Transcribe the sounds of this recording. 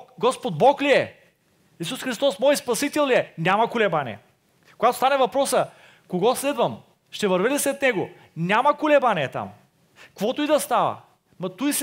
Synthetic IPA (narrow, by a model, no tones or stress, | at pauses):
ɡɔspod̪̚bɔkliɛ | is̬usxɾist̪ɔsmɔjit̪spɐsit̪ɛlˠliɛnʲamɐkʊlɛbanʲḭɛ̰ | koɡat̪o̥st̪anɛvɐpɾɔsə | koɡɔslɛd̪vɐm | ʃt̪ɛvɐɾvɛd̪ɛsɾɛt̪̚nɛɡo | nʲamɐkʊlɛbaniɛt̪a̰m | kvɔt̪oid̪ɐst̪avɐ̰ | mɐt̪ujs